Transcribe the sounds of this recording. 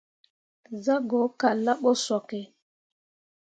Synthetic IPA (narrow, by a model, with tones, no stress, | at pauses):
za˦ɡɔ˨˦ka˨la˦ɓɔ˦sɔ˨kɛ˨